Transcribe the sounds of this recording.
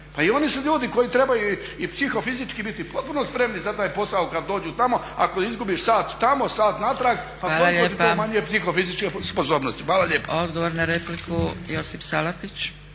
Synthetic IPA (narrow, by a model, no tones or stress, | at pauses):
paio̞nisuʎuːd̪iko̞jit̪ɾe̞bajui | ipsixo̞fizit͡ʃkibit̪ipo̞t̪̚punospɾe̞mnizat̪aːjpo̞saukad̪ːo̞ːd͡ʑut̪amo̞ | a̰koizɡubiʃsaːt̪ːamo̞saːt̪nat̪ɾaɡpaaːloaʎoitomaɲijepsixofizit͡ʃkeposoːbnost̪i̥fʋaːlˠaʎeːpod̪ɡoʋoɾnaɾeplikujosipsalapit͡ɕ